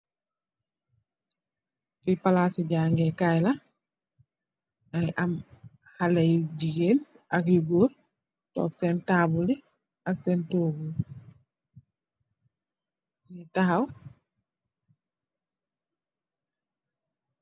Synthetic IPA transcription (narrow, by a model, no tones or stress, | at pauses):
fipalasiɟaːŋɡekajla | ajʔam | halejdiɡeːn | akjuɡoːɾ | tɔ̰ksentaːbuli | aksentoːɡul | nitaɦaw